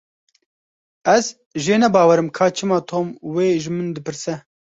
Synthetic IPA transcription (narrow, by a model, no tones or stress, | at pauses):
ɛz | ʒeːnɛbɑːwɛɾɨmkʰɑːt͡ʃʰɨmɑːt̪ʰoːmweːʒɨmɨnd̪ɨpɨɾsɛ